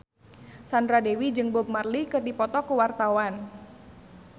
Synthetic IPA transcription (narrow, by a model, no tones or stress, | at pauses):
sandɾadewid͡ʒɨŋbʊb̚marlikɨrdipɔt̪ɔkuwart̪awan